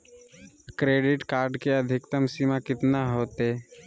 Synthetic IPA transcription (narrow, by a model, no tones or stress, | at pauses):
kɾeːɖɪʈkaːɾɖkeəd̪ʱɪkt̪əmsimakɪt̪naɦoːt̪e